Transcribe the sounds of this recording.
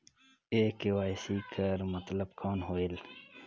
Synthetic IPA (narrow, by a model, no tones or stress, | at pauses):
eːkewaːjsiːkʰəɾmət̪ləbkʰoːnɦoːil